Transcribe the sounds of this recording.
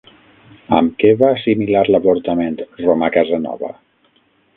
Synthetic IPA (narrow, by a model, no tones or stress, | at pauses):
ə̰mkɛβaːsimilaɾləβuɾt̪əment̪romakazənɔ̰βə̰